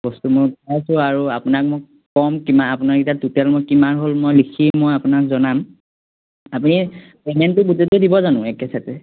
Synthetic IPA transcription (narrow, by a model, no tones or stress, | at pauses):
b̥ɔstumʊɹpajsʊaɹuapʊnak̚mo | kɔmkimaːpʊnaɹitatutɛlmojkimaɹɦolmojlikʰimojapʊnakzɔnam | apuni | ɛŋɛntʊbutetudibɔzanʊ̃ɛkɛsʰatɛ